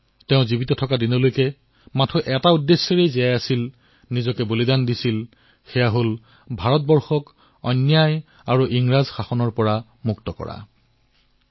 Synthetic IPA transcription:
teʊ̃zibitɔtʰɔkadinɔlojkɛ | matʰɔʔɛtaudːesːɔɹejzijajasil | nizɔkɛbolidandisil | xɛjaɦol | bʱaɹɔt̚bɔɹxɔk | ɔ̰nːjaj | aɹuʔiŋɹazxaxɔnɔɹpɔɹa | muktɔkɔ̰ɹa̰

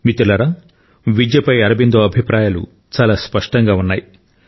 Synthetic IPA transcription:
mit̪ulɐɾa | ʋid͡ʒjɐpɐjɐɾɐbind̪oːɐbʱipɾaːjalṵ | t͡ʃaːlaːspɐʂʈɐŋɡaːunːaːji

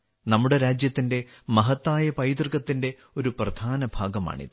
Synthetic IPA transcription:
nɐmːuɽe̞ɾaːd͡ʑjɐt̪ːinde̞mɐɦɐt̪ːaːjɐpɐjd̪rɣɐt̪ːinde̞ | o̞ɾuprɐd̪ʱaːnɐbʱaːɡɐma̰ːɳḭðɨ

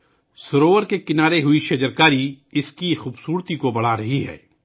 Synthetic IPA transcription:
sʊɾoːʋəɾkekɪnaːɾeɦʊiʃɐd͡ʒəɾkaːɾiɪskixuːbsuːɾt̪ikobɐɽ̤aɾɐɦiɦɛ̰ː

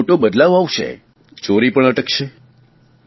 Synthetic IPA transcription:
ʈobəd̪laʋaʋʃḛ | t͡ʃoɾipəɳəʈəkʃʰe

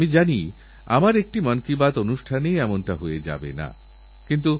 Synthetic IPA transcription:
mid͡ʑani | a̰maɾek̚ʈimɔnkibat̪onuʃʈʰanejɛmonʈaɦoed͡ʑa̰bḛna̰ | kint̪u

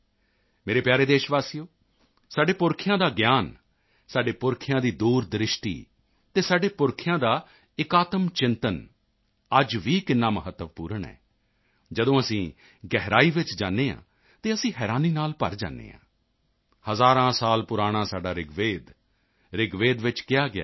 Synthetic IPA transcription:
meːɾeːpjaːɾeːd̪eːʃʋaːsijoː | saːɖeːpʊɾkʰɪjãːd̪aːɡjaːn | saːɖeːpʊɾkʰɪjãːd̪iːd̪uːɾd̪ɾɪʃʈḭː | t̪eːsaːɖeːpʊɾkʰjãːd̪aː | ɪkaːt̪əmt͡ʃɪ̃nt̪ən | əd͡ʒʋiːkɪnːaːməɦət̪ːəʋpuːɾəɳɛ̰ː | d͡ʒəd̪õːəsĩː | ɡɛɦɾaːiːʋɪt͡ʃd͡ʒaːnːeːã̰ː | t̪eːəsĩːɦɛːɾaːniːnaːlpə̰ɾd͡ʒa̰ːnːḛːã̰ː | həzaːɾãːsaːlpʊɾaːɽ̃ãːsaːɖaːɾɪɡʋeːd̪ | ɾɪɡʋeːd̪ʋɪt͡ʃkɪjaːɡɪa̰ː

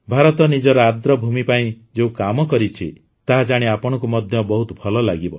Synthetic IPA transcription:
bʱaɾɔt̪ɔnid͡ʒɔɾɔad̪ɾɔbʱumipaĩ | d͡ʒeũkamɔkɔɾit͡ʃʰi | t̪aɦad͡ʒaɽ̃iapɔɽ̃ɔkumɔd̪ʱjɔbɔɦut̪ɔpʰɔlɔlaɡibɔ

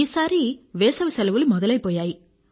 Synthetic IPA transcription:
isaːɾiʋeːsɐʋɯsɛlɐʋɯlmɔðɐlɐɪpoːjaːji

